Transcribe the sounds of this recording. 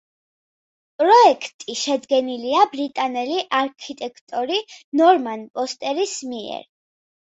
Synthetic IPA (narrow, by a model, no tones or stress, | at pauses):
pʼɾɔɛkʰt̪ʼiʃɛd̪ɡɛniliabɾit̪ʼanɛliʔaɾkʰit̪ʼɛkʰt̪ʼɔɾinɔɾmanpʼɔst̪ʼɛɾismiɛ̰ɾ